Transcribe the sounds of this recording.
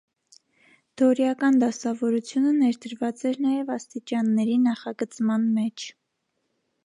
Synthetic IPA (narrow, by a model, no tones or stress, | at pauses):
d̪̥ɔɾjɑkɑnd̪ɑsɑvɔɾut͡sʰjunənɛɾd̪əɾvɑt͡sɛɾnɑjɛvɑst̪it͡ʃɑnːɛɾinɑχɑɡət͡smɑnmɛt͡ʃʰ